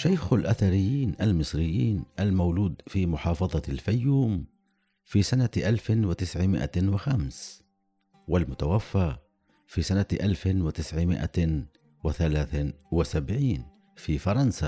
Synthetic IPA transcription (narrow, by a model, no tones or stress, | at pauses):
ʃajxalʔaθaɾɪjːiːnʔalmɨsˤɾɪjːiːnʔalmawluːd̪fimʊħɑːfɑðˤɑlfajːuːm | fiːsanaʔalfɪnwɪt̪ɪsʕɪmɪ̰ʔa̰wɪxams | wɪlmʊt̪awafːaː | fisanaʔalfɪwɪt̪ɪsʕɪmɪ̰ʔa̰ | wɪθalaːθwɪsabʕiːn | fifɑɾˤɑnsa